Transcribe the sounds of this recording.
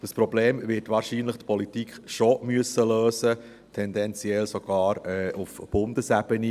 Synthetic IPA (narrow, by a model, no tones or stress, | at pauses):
d̥əspɾɔbleːmvɪtʋɑːɾʃiːnləχtpʰɔlitikχʃomyəsːəløːsə | tʰɛndɛnt͡sjɛlsoɡ̥ɑːɾɛʔufb̥ʊndəsæbəni